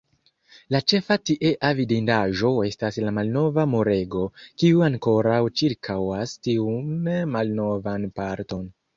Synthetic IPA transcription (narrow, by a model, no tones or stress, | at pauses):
lat͡ʃe̞fatiʔeʔavidindaʒo̞e̞staslamalno̞vamoɾe̞ɡo̞kiuaŋko̞ɾawt͡ʃiɾkʰawastiunmalno̞vanpaɾto̞n